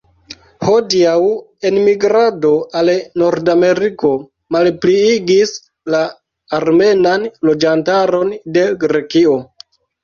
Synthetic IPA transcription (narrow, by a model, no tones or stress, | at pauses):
ho̞diaw | e̞nmiɡɾado̞ʔalno̞ɾdame̞ɾiko̞ | malpliiɡis | laː | ɾme̞nanlo̞d͡ʒantaɾo̞nde̞ɡɾe̞kio̞